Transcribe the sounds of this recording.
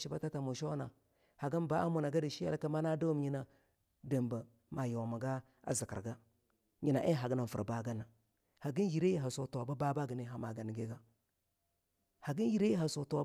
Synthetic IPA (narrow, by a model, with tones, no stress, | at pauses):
ʃi˦ba˦ta˦ta˨mu˨ʃo˦na˨ | ha˨ɡə˦nba˦a˦mu˨na˨ɡa˦di˨ʃi˦a̰˦lka˦ma˦na˦da˦m˦ɲi˦na˨ | da˨mba˨ | ma˨ja˨ma˨ɡa˦ | a̰˦zi˨kə̰˨ɡa˦ | ɲi˨na˨ʔe˦ɦa˨ɡi˦na˨fə˨ɾba˨ɡa˦na˨ | ha˨ɡi˦n˦ji˨ɾe˦ɦa˨so˨to˨ba˦ba˦ba˦ɡə˨ni˨ɦa˨ma˨ɡa˨n˨ɡe˦ɡa˦ | ha˨ɡi˦nji˨ɾe˦ɦa˨so˨to˨